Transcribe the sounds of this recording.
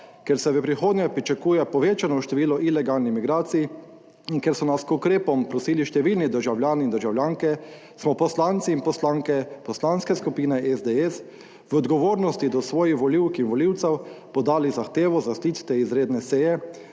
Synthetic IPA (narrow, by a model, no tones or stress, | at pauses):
kɛɾsɛʋəpɾixoːd̪njɛpɾit͡ʃakuːjɛpɔʋeːt͡ʃanɔwʃt̪ɛʋiːlɔʔilɛɡaːlnimiɡɾaːt̪siji | iŋkɛɾsɔnaskukɾeːpɔmpɾɔsiːliʃt̪ɛʋiːlnid̪əɾʒawljaːniind̪əɾʒawljaːŋkɛ | smɔpɔslant̪siːnpɔslaːŋkɛpɔslanskɛskupiːnɛʔɛzd̪eɛs | ʋɔd̪ɡɔʋoːɾnɔst̪id̪ɔsʋɔːjixʋɔliwkinʋɔliwt̪sɛwpɔd̪aːlizaxt̪eːʋɔzast̪iːt̪t̪eizɾeːd̪nɛsejɛ